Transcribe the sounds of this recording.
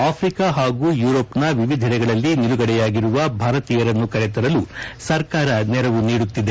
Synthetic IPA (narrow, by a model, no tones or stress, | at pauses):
aːpʰɾikaɦaːɡuːjuːɾoːpnɐʋiʋid̪ʱɛɾɛɡɐɭɐlːiniluɡɐɽɛjaːɡiɾuʋɐbʱaːɾɐt̪iːjɐɾɐnːukɐɾɛt̪ɐɾɐlusɐɾkaːɾɐnɛɾɐʋuniːɽut̪ːid̪e